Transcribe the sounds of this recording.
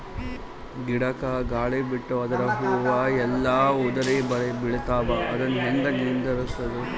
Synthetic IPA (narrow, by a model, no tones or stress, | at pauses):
ɡiɽɐkɐɡaːɭibiʈːuɐd̪ɐɾɐɦuːʋɐɛlːaːud̪ɐɾibɐɭebiɭɐt̪aːbɐʔɐd̪ɐnːɦend̪ɐnind̪ɐɾusːɐd̪u